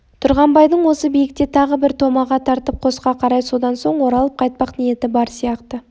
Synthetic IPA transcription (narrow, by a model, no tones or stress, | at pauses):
t̪ʰʊɾʁɑmbɑjd̪əɴwo̞səbijɪk̚t̪e̞t̪ʰɑʁəbɪɾt̪ʰo̞mɑʁɑt̪ʰɑɾt̪əp̚qʰo̞sqɑqʰɑɾɑjso̞d̪ɑnso̞ɴwo̞ɾɑlˠəp̚qʰɑjt̪̚pɑqnije̞t̪ɪbɑɾsijɑqt̪ə